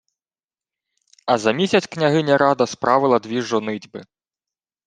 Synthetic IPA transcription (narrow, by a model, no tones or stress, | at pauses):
ɐzɐmʲisʲɐt͡sʲknʲɐɦɪnʲɐɾɑd̪ɐspɾʔɑʋɪlˠɐd̪ʲʋʲiʒɔnɪdʲbɪ